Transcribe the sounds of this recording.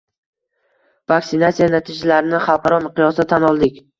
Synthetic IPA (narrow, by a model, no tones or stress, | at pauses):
vaksɪnat̪sijanat̪ʰid͡ʒalaɾɪnɪχɑlˠqʰɑɾɒmɪqʰɨjɒsat̪ʰːanɒlˠd̪ɪkʲ